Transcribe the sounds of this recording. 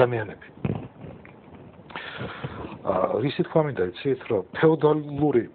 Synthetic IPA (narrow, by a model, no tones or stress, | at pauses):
amianɛbi | ɾisit̪ʰkʰwamind̪ait̪sʰit̪ʰɾɔpʰɛɔd̪ɔlluɾi